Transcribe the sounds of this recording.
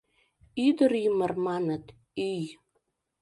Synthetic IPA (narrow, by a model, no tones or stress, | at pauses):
yd̪əɾjəmərmɑnət̪ | yj